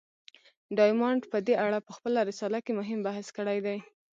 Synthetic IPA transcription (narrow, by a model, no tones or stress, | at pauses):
ɖɑjmɑɳɖpəd̪eaɽapəxpəlaɾɪsɑlakemʊɦɪmbahskəɽajd̪aj